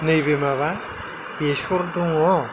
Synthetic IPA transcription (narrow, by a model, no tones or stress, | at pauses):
nɯjbemaβa | besoɾd̪uŋɔ